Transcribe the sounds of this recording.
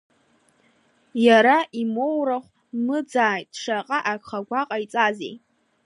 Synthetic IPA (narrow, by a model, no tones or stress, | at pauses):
jaɾaʔimo̞wɾaχʷ | mɨd͡zaːjdʂaqʼaʔakχaɡʷaqʼajt͡sʼazḛj